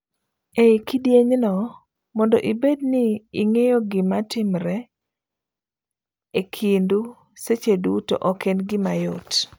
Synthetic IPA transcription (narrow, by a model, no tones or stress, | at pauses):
ekidjeɲnɔ | mɔndɔʔibed̚nɪːŋejoɡɪmatɪmɾɛ | ekʰindu | set͡ʃeduto̰ʔɔkenɡɪmajot